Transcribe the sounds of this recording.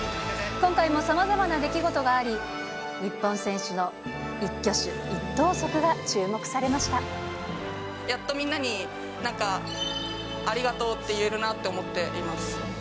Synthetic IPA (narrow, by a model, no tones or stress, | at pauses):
kõ̞ŋkaimo̞samazamanad̪e̞kʲiɡo̞t̪o̞ɡaːɾʲi | ɲ̟ipːõ̞ɰ̃sẽ̞ɰ̃ɕɨno̞ | ikʲːo̞ɕɨ̰ | it̪ːo̞ːso̞kɯ̟ɡat͡ɕɨːmo̞kɯ̟̥saɾe̞maɕi̥t̪a | jat̪ːo̞mʲĩnːaɲ̟i | nãŋka | ɾʲiɡat̪o̞ːt̪ːe̞jɯeɾɯ̟nat̪ːe̞omo̞t̪ːe̞ʔimasɨ̥